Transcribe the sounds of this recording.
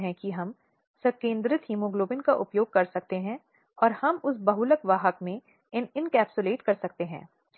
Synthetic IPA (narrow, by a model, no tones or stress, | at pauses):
ɦɛ̃kiɦɐm | sɐkẽːnd̪ɾɪt̪ɦiːmoɡloːbɪnkaʔʊpjoːɡ̚kɐɾsɐk̚t̪eɦɛ̃ | ɔːɾhɐmʊsbɐɦʊləkʋaːɦəkmẽ | ɪnɪnkɛːpsʊleːʈkɐɾsɐk̚t̪eɦɛ̰̃ː